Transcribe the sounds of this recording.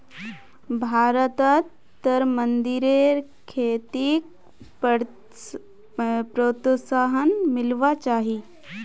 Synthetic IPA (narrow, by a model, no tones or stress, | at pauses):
bʱaːɾət̪ət̪ː | əɾmənd̪ɪɾeɾkʰeːt̪ik | pɾoːt̪saɦənmɪlʋat͡ʃaːɦi